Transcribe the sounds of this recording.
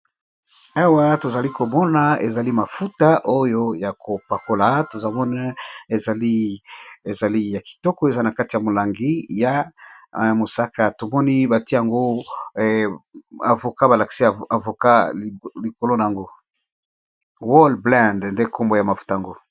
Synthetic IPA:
a˦wa˦to˨za˨li˦ko˨mɔ˦na˨e˨za˨li˦ma˨fu˦ta˦ʔo˦jo˦ja˨kʰo˨pa˨ko˦la˨to˨za˨mɔ˦na˦e˨za˨li˦e˨za˨li˦ja˨ki̥˨tɔ˦kɔ˦e˨za˦na˨ka˦ti˨ja˨mo˨la˨ŋɡi˦ja˨ | mo˨sa˦ka˦to˨mɔ˦ni˦ba˨ti˦˨a˨ŋɡo˦ | a˨vo˨ka˦ba˨la˨ki̥˨si˦a˨a˨vo˨ka˦˨li˨ko˨lo˦na˨a˨ŋɡo˦ | wɔ˦lblɛ̃˦˨ndnde˦kʰo˦mbo˦˨ja˨ma˨fu̥˦ta˨ja˨ŋɡo˦

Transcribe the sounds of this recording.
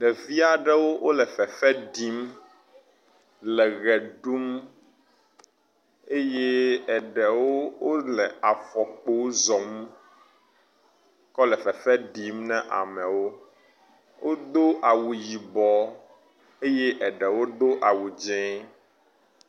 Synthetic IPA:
ɖɛ˨vi˦a˨ɖɛ˦wo˦wo˦lɛ˨fɛ˨fɛ˦ɖi˦m | lɛ˨ɣɛ˨ɖu˦m | e˦je˦ɛ˨ɖɛ˨wo˦wo˦lɛ˨a˨fɔ˨k͡po˦zɔ˨m | kɔ˦lɛ˨fɛ˨fɛ˦ɖi˨˦mnɛ̃˦ʔa̰˨mɛ˨wo˦ | wʔo˦d̪o˦ʔa˨wu˨ji˨bɔ˨ | e˦je˦ʔɛ˨ɖɛ˨wo˦d̪o˦ʔa˨wu˨d͡ʒɛ̃˦

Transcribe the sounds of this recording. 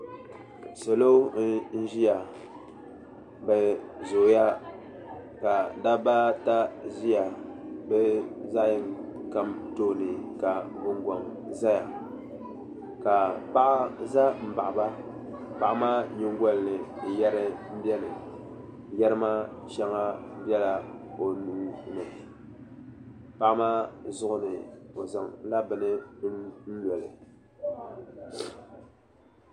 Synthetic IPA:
so˨lo˦n̩˦ʒi˦ja˨ | bɛ˨zo˨ja˦ | ka˨da˦ba˦ta˦zi˦ja˨bɛ˦za˦jɪ˨mka˦mto˦˨nɨ˨ka˨bʊ˨ŋɡɔ˨ŋ | za˦ja˨ | ka˨pa˦ʔa˦za˦m̩˨ba˨ʔba˦ | pa˨ʔa˦maː˦ɲɪ˦ŋɡɔ˦lnɨ˨jɛ˦ɾɨ˦m̩˦bɛ˦nɨ˨ | jɛ˦ɾɨ˦ma˦ʃɛ˦ŋa˦bɛ˦la˨o˨nuː˦nɨ˨ | pa˦ʔmaː˦zʊ˦ʔʊ˦nɨ˨o˨zɨ˨ŋla˦bɨ˨nɨ˦ | n̩˦lɔ˨lɨ̰˨

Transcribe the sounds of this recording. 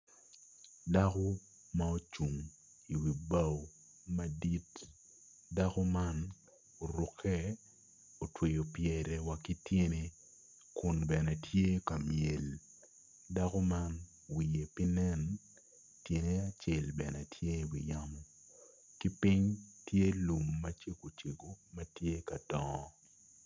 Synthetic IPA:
da˦ko˦ | ma˦o˦t͡ʃu˨ŋ | i˨wi˨ba˦o˦ | mɐ˦di˦t | da˦kɔ˦ma˦n | o˨ɾʊ˨kʰɛ˦ | o˨twe˨jo˨pjɛ˨ɾɛ˨wa˨ki˦tje˦ne˨ | kʊ˨nbɛ˨nɛ˨tʰje˦ka˨mje˨l | da˦ko˦ma˦n | wi˨je˨pi˦nɛ˦n | tje˨ne˦a˨t͡ʃe˨lbɛ˨nɛ˨tʰje˦wḭ˨ja˦mɔ˦ | ki˦pi˦ɲtje˦lu˨mːɐ˦t͡ʃe˦ko˨t͡ʃe˨ɡo˨mɐ˦tje˦ka˨dɔ˦

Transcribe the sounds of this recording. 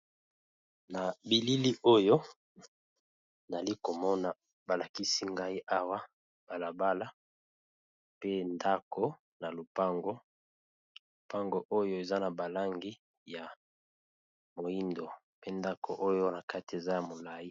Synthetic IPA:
na˨bi˨li˦li˦ʔo˦jo˦ | na˨li˦ko˨mɔ˦na˨ | ba˨la˨ki˦si˦ŋɡa˦i˦ʔa˦wa˦ | b̥a˨la˨ba˦la˦ | pe˦nda˦ko˦ | na˨lo˨pa˦ŋɡo˦ | lo˨pa˦ŋɡo˦ʔo˦jo˦e˨za˦na˨ba˨la˦ŋɡi˦ | ja˨ | mo˨i˦ndo˨ | pe˦nda˦kʰo˨ʔo˦jo˦na˨ka˦ti˨e˨za˦ja˨mo˨la˨ji˦

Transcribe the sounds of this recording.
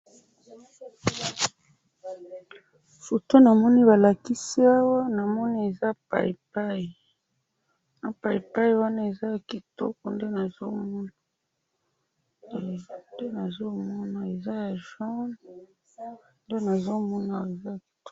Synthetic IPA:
fu˨to˦na˨mɔ˦ni˦βa˨la˨ki˦si˦a˦wa˦na˨mɔ˦ni˦e˨za˦pa̰˨i˨pa˦i˨ | na˦pa˨i˨pa˦ji˨wa˦na˦e˨za˦ja˨ki˨to̰˦kɔ˨nde˦na˨zo˦mɔ˦na˨ | nde˦na˨zo˦mɔ˦na˨e˨za˦ja˨ʒɔ˦n | nde˦na˨zo˦mɔ˦na˨e˨za˦a˨ki̥˨to˦

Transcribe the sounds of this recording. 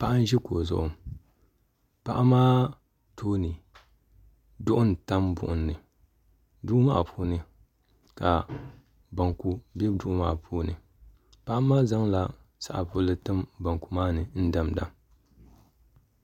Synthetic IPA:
pa˦ʔa˦n̩˦ʒɛ˦koː˨zʊ̰˨ʔʊ˨ | pa˦ʔa˦maː˦ | toː˦nɨ˨ | dʊ˦ʔʊ˦n˨ta˦mbʊ̰˨ʔʊ˨nːɨ˨ | du˦ʔma̰˦˨pʰuː˦nɨ˨ | ka˨ | ba˨ŋku˦bɛ˦bdu˦ʔʊ˦ma̰ː˦˨pʰoː˦nɨ̰˨ | pa˦ʔa˦maː˦za˦ŋla˨ | sa̰˦ʔa˨po˦lɨ˦tɨ˦mba˨ŋku˨maː˦nɨ˨n̩˦da˨mda̰˨

